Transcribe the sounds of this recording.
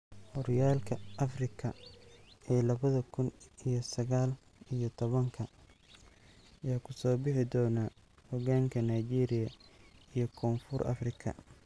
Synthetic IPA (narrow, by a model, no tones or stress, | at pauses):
hɔɾɪjaːlkʰɐʔɐfrɪkʰɐ | ɛːlɐβɐðɐkʰʊnijɞsɐɣaːl | ijɔt̪ʰɔβɐŋkʰɐ | ɐjaːkʰʊsɔːbɪħɪd̪ɔːna | hɔɣaːŋkʰɐnajt͡ʃiːɾɪjɐijɔkʰɔːnfʊrʔɐ̰frɪkʰɐ̰